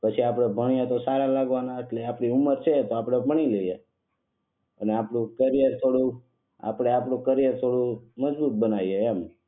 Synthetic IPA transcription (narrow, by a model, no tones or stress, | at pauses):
pət͡ʃʰiapɽ̃ebʱəɳ̃ijet̪osaɾalaɡʋanaeʈleapɽiuməɾt͡ʃʰet̪oapɽ̃ebʱəɳ̃ileije | əneapɽũkəɾijəɾt̪ʰoɽũ | a̰pɽ̃eapɽũkəɾijəɾt̪ʰoɽũməd͡ʒbut̪̚bənaieɛm